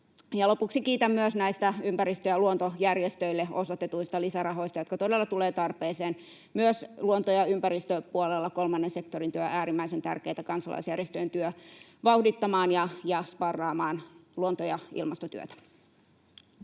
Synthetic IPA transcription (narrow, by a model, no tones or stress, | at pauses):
jɑlo̞puksikiːt̪æmːyøsnæist̪æympæɾist̪øjɑluont̪ojærjest̪øilːeo̞sot̪ːet̪uist̪ɑlisærɑɦo̞ist̪ɑjot̪kɑt̪odelːɑt̪uleːt̪ɑrpeːseːn | myøsluont̪ojɑympæɾist̪øpuolelːɑko̞lmɑnːense̞kt̪orint̪yøʔæːɾimːæisent̪æ̰rkeːt̪ækɑnsɑ̰lʔɑ̰isjærjest̪øjent̪yø | ʋɑwhdit̪ːɑmɑːnjɑjɑspɑrːɑːmɑːnluont̪ojɑḭlmɑst̪ot̪y̰ø̰t̪æ̥